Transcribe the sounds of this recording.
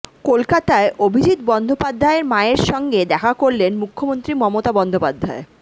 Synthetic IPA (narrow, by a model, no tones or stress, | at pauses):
kolkat̪aeʔobʱid͡ʑit̪bɔnd̪ʱopad̪ʱːaeɾmaeɾʃɔŋɡed̪ɛkʰakoɾlenmukʰːomont̪ɾimɔmot̪abɔnd̪ʱopad̪ʱːae